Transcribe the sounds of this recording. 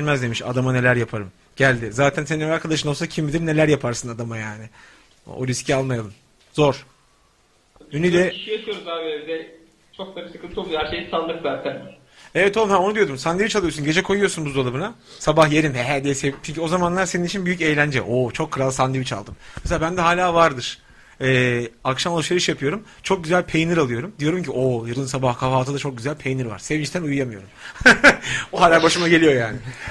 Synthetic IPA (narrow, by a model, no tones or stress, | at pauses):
ɾmæzd̪e̞miʃa̰d̪amane̞lʲæɾjapʰaɾɯm | ɟ̥ælʲd̪ɪzaːt̪ʰænseninaɾkʰad̪aʃ̬ɯno̞lˠsacʰimːid̪iɾne̞lʲæɾjapʰaɾsɯnad̪amajaːnɪ̰ | o̰ɾyscʰialˠmajalˠɯm | z̥o̞ɾ̥ | ynid̪ɛiʃijaʃʰɯjo̞ɾuzaːvevd̪ɛ | t͡ʃʰok̚d̪aɾɯsɯkʰɯnt̪ʰuolˠuhæɾʃejsand̪ɯkzaːt̪ʰæn | evɛt̪o̞lˠumhæo̞nud̪ijo̞d̪umsanivit͡ʃalˠɯjosunɟe̞d͡ʒɛkʰo̞jujosunbuzolˠɯbɯnasabahjeɾimɦɛɦæɾd̪ejsevit͡ʃʰynɲcyo̞zamanlˠaɾse̞ninit͡ʃʰinbyjyce̞jlʲænd͡ʒɛʔot͡ʃʰo̞kʰːɯɾalˠsand̪evit͡ʃa̰lˠd̪ɯmmeselʲaːbænd̪ɛɦaːlʲaːvaɾd̪ɯɾ̥ | ɛːakʃamlˠuʃeɾɯʃjapʰɯjo̞ɾum | t͡ʃʰo̞k̚ɟyzælʲpʰejnɯɾalˠɯjo̞ɾumd̪ijo̞ɾumciʔojɯɾɯnsabahkʰafaːt̪ʰɯd̪at͡ʃo̞k̚ɟyzælʲpʰejnɯɾva̰ɾ̥sevimiʃt̪ʰænujjamɯjo̞̰ɾum | ɦaːlʲaːbaʃɯmaɟe̞lʲijo̞jaːnɪ